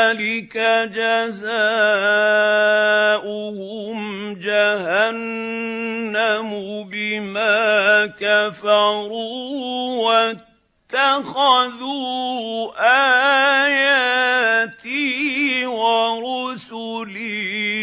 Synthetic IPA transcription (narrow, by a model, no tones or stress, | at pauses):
lɪkad͡ʒazaː | ʔʊhʊmd͡ʒahanː | amʊbɪmaːkafaɑɾu | wa | tt̪ːaxaðuːʔaːjaːt̪i | waɾʊsʊliː